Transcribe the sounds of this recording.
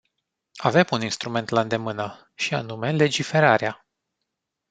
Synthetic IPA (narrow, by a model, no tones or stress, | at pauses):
ave̞muninst̪ɾume̞nt̪laɨnd̪e̞mɨnə | ʃianume̞le̞d͡ʒife̞ɾaɾea